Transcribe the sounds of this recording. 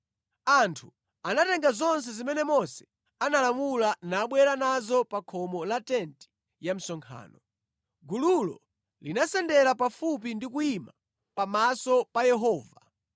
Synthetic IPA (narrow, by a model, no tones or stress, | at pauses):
antʰu | anatɛŋɡazɔns̬ɛzimɛnɛmɔsɛ̥ | analamulanaɓwɛɾanazɔpakʰɔmɔlatɛnti̥ | jam̩sɔŋkʰa̰ːnɔ | ɡululɔ̰ | linasɛndɛɾapafup̬indikuima | pamasɔpajɛɦɔːva